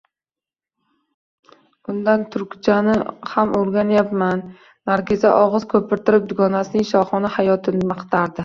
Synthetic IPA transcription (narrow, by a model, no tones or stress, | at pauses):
ʊnd̪ant̪ʰʊɾkʲt͡ʃʰanɪhamoɾɡʲanjapmanː | aɾɡʲɪzaʔɒʁɨz̥kʰɵpɪɾt̪ʰɪɾɪp̚d̪ʊɡɒnasɪnɪŋʃɒχɒnahajɒt̪ʰɪnɪmɑqt̪ʰaɾd̪ɪ